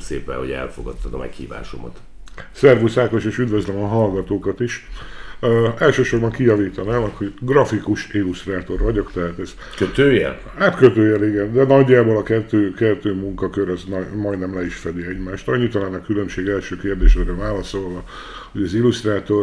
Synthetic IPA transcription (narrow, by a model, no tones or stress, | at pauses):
sḛːpɛ̰nho̰ɛ̰lfoɡɒt̪ːɒd̪ɒmɛ̰khḭːva̰ːʃo̰mo̰t̪ | sɛrvusaːk̪oʃeːʃyd̪vøzlɛmɒɦɒlɡɒt̪oːkɒt̪iʃ | ɛlʃøːʃo̞rbɒŋkijɒviːt̪ɒnaːmkhoɟɡrɒfikuʃilust̪raːt̪o̞rvɒɟo̞kt̪ɛɦat̪ɛz | køt̪øːjɛ̰l | haːt̪køt̪øːjɛliɡɛnd̪ɛnɒɟːaːbo̞lɒkɛt̪ːøːkɛt̪ːøːmuŋkɒkøɾɒznmɒjd̪nɛmlɛiʃfɛd̪iɛɟmaːʃt̪ɒɲːit̪ɒlaːnɒkylø̞mʃeːɡɛlʃøːkeːrd̪eːʃɛɾøvaːlɒso̞lvɒ | ho̞ɟɒzilust̪raːt̪o̞r